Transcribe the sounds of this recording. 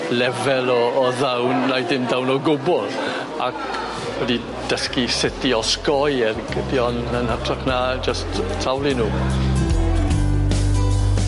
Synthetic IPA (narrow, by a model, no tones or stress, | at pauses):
lɛvɛlˠɔːðawnrajdɪmdawnɔɡʊbɔlð | a̰k | wɛdi | d̥əskisɪtiɔskɔjɛrɡədiɔnənhatʰraχnad͡ʒəsttʰːawlˠinuː